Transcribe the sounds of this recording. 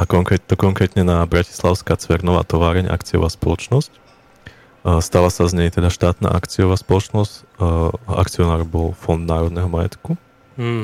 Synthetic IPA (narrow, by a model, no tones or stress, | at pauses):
ʔakɔŋkɾɛt̪ɔkɔŋkɾɛːt̪ɲɛnabɾaci̥slaʊskat͡sʋɛɾnɔʋa̰ːt̪ɔʋaːɾɛɲʔa̰kt͡siɔ̰ʋaːspɔlɔt͡ʃnɔsc | st̪alasazɲɛjt̪ɛd̪aʃt̪aːt̪na̰ːʔakt͡siɔʋaːspɔlɔt͡ʃnɔsc | a̰kt͡siɔnaːɾbɔlfɔnd̪naːɾɔd̪nɛɦɔmajɛ̰t̪ku